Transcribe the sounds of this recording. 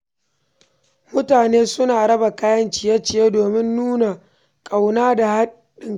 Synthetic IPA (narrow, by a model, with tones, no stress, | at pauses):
mʊ˦taː˨neː˦sʊ˦naː˨ɽɐ˦ba˨kaː˦jɐ˦nt͡ʃɪ˨jɐ˦t͡ʃɪ˨jeː˦doː˨mɪ˦nːuː˦na˨ | kʼa˨wnaː˦da˨ha˦ | ɗɪ˨ŋ